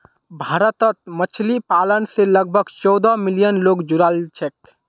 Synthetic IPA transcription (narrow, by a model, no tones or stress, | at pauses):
bʱaːɾət̪ət̪̚mət͡ʃʰlipaːlənseləɡ̚bʱəɡt͡ʃɔd̪ɔmɪlijənloːɡd͡ʒuɾalt͡ʃʰek